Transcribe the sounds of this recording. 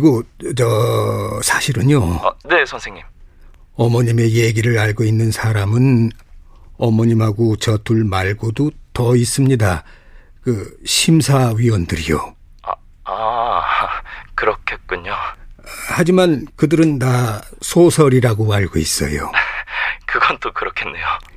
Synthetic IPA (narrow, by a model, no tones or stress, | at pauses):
ɡot͡ɕʌ | sʰaɕʰiɾɯɲoʌne̞sʰʌnsʰeŋɲim | ʌmʌɲime̞je̞ɡiɾɯɾaɭɡoinːɯnsʰaɾamɯn | ʌmʌɲimɦaɡot͡ɕʌtuɭmaɭɡodotʌis͈ɯmɲida | kɯɕʰimsʰaɥiwʌndɯɾijo̰ | a | kɯɾʌkʰet̚k͈uɲo | had͡ʑimankɯdɯɾɯnːasʰosʰʌɾiɾaɡoaɭɡois͈ʌ̰jo̰ | kɯɡʌnt͈okɯɾʌkʰe̞nːe̞jo